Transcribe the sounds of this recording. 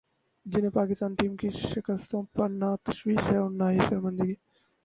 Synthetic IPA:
d͡ʒɪnɦẽpaːkɪst̪aːnʈiːmkiʃɪkəst̪õpɐɾnaːt̪ɐʃʋiːʃɦɛʊnːaːɦiʃɐɾmɐ̃nd̪ɪɡi

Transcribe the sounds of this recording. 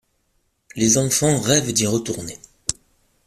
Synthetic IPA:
lezɑ̃fɑ̃ʁɛvd̪iʁət̪uʁne

